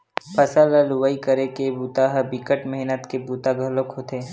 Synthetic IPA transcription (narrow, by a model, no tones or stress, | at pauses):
pʰəsaləlʊʋaikəɾekebuːt̪aɦbɪkəʈmɛɦnət̪kebuːt̪aɡʱəlokɦoːt̪eː